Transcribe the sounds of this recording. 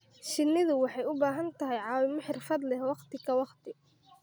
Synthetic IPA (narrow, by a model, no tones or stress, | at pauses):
ʃɪnːɪðʊwɑħɑjʊbaːɦɐnt̪ʰɐɦɛjʕɑːwɪmɔħɪrfɐd̪lɛhwɑqt̪ʰɪkʰɐwɑqt̪ʰɪ